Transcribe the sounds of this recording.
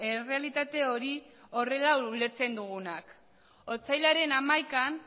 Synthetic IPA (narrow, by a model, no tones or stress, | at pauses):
ere̞alit̪at̪e̞o̞ɾio̞re̞laule̞ɾt͡se̞nd̪uɣunak | o̞t͡sajlaɾe̞namajkan